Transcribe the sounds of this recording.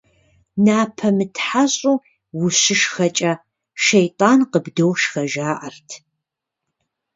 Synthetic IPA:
naːpʰɐmɨtʰħaɕʼuː | wʊɕɪʃxɐt͡ʃʼɐ | ʃejtʼaːnqəbdowʃxɐʒaːʔɐrtʰ

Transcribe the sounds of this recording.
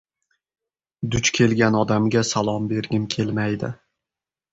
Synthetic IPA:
d̪ʊt͡ʃkʲʰe̞lɡʲanɒd̪amɡʲasalˠɒmbe̞ɾɡʲɪmkʲʰe̞lˠmajd̪ɪ̰

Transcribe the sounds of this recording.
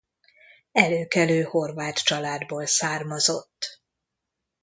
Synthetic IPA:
ɛløːkɛløːho̞rvaːt̪t͡ʃɒlaːd̪boːlsaːrmɒzo̞t̪ː

